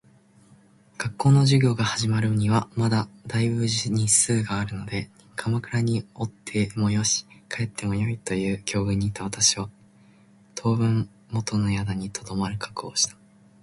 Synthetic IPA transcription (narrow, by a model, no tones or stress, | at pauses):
ɡ̥akːo̞ːno̞ʑɨɡʲo̞ːɡahaʑimaɾɯ̟oɲ̟iβamad̪ad̪aibɯ̟ʑiɲ̟isɨːɡaːɾɯ̟no̞d̪e̞ | kʰamakɯ̟ɾaɲ̟io̞t̪ʰːe̞mo̞jo̞ɕi̥kʰae̞t̪ʰːe̞mo̞jo̞it̪o̞jɯ̟ːkʲo̞ːɡɯ̟ɲ̟ːit̪ːaβat̪aɕiβa | t̪ʰo̞ːbɯ̟̃m | mo̞t̪o̞no̞jad̪aɲ̟it̪ʰo̞d̪o̞maɾɯ̟kḁko̞ːɕi̥t̪ḁ